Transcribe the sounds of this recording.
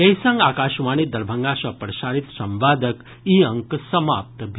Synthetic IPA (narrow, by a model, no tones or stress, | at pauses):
jɐjsɐ̃ŋɡaːkaːʃʋaːñid̪ɐɾbʱəŋɡaːsɐpɾɐʃaːɾit̪sɐ̃mʋaːd̪ək | iɐŋksɐmaːp̚t̪bʱ